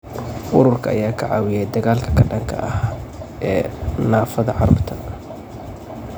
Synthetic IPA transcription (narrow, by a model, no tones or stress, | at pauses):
ʔʊɾʊrkʰɐɐ̰jaːkʰɐʕɑ̰ːwɪjɛjd̪ɐɣaːlkʰɐ̥kʰɐɖɐŋkʰɐ̰ʔɐhʔɛːnaːfɐðɐʕɑɾʊ̰bt̪ʰɐ